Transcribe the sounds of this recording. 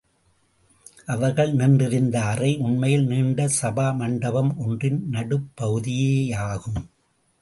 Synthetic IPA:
ʔɐʋɐɾɣɐɭnɪndɪɾɪnd̪aːɾɐɪʔʊnmɐjɪlniːɳɖɐsɐbaːmɐɳɖɐbɐmɔndrɪnnɐɽɯpːɐɣɯðɪjeːaːɣɯm

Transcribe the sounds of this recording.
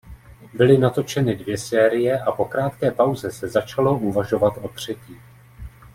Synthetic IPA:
bɪlɪnat̪o̞t͡ʃɛnɪdvjɛsɛːɾɪjɛʔapo̞kɾaːt̪kɛːpawzɛsɛzat͡ʃalo̞ʔuvaʒo̞vat̪ʔo̞t̪r̝̥ɛciː

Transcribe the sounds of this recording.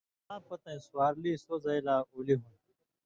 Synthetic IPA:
ãːpɐt̪ɐ̃ĩsʊwaːɾliːsoːzɐjlaːuːliɦun

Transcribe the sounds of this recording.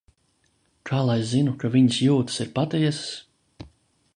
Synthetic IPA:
kʰaːlˠajzinukaviɲsjuːt̪ɨ̥siɾpat̪ɛjɛss

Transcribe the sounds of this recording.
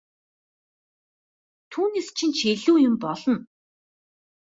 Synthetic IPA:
t̪ʰuːneːst͡ɕʰĭnt͡ɕʰeɮuːjʊmpɔɮɞ̆n

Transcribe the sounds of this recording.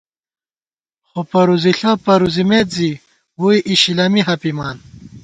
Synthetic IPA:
xopɐɾuziɬɐpɐɾuzimet̪zi | wuiʔiɕilɐmiɦɐpimaːn

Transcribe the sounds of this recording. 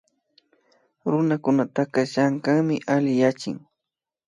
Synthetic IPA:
ɾʊnakʊnat̪akɑʃaŋkaŋmɪʔalɪjat͡ʃɪ̰ŋ

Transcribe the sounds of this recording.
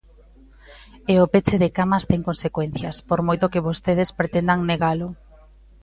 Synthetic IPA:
eopet͡ʃeðekamɐst̪ɛŋkonsekwɛn̟θjɐspoɾmojt̪okɪβost̪eð̞espɾet̪end̪aŋneɣalʊ

